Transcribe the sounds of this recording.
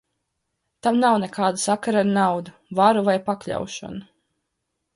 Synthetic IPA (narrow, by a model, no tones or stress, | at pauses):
t̪amnawnɛkʰaːd̪ɨsakaɾaɾnawd̪u | vaɾuvajpaklʲa̰wʃɔ̰nu